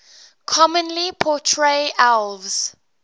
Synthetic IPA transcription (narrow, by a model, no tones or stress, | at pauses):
kʰɔmə̃nlipʰɔtʰɹeʔalvz̥